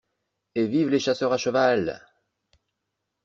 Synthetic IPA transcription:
evivleʃasœʁaʃəval

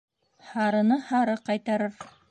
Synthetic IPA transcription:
hɑɾɤ̆nɤhɑɾɤqɑjt̪ɑɾɤɾ

